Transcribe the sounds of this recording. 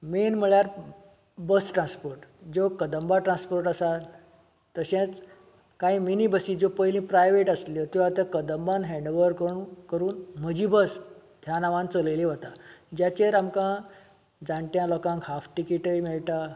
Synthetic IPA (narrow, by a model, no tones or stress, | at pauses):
menm̤əɭjaɾ | bəsʈɾãnspoɾʈd͡zokəd̪əmbaʈɾãnspoɾʈəsal | t̪əɕẽt͡s | kaɦĩminibəsiːd͡zopəɦilĩːpɾajʋeʈəsljot̪joat̪ãkəd̪əmbanɦɛ̃ɳɖʋəɾkəkəɾuːnm̤əd͡ʑibəs | ɦjanaʋãnt͡sələliɦot̪ad͡ʑjat͡ɕeɾamkã | d͡zãɳʈjãlɔkãŋkɦafʈikiʈəjmeɭʈ̪a